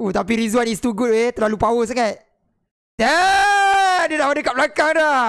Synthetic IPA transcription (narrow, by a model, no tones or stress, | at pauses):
ut̪apiɾizuanist̪uɡut̚et̪əlalupawos̬aŋat̪̚ | d̥ɛ | diənahandəkap̚lakaŋda